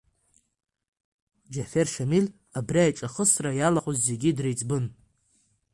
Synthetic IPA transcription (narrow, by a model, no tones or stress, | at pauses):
d͡ʒaferʃamil | abraaʈ͡ʂʼaχəsrajalaqʷʼʊzːe̞ɡʲidrejt͡sʼbɨn